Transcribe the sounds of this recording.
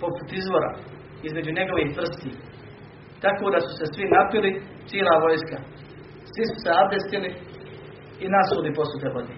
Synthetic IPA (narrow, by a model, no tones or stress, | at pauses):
po̞put̪izʋo̞ɾa̰ | izme̞d͡ʒuɲe̞ɡo̞ʋiːhʋr̩st̪iː | t̪akoːd̪asu̥se̞sʋinapili | t̪jieːlˠaːʋo̞jska | sʋisu̥seabd̪est̪iliː | nasuːlipo̞sut̪eʋod̪e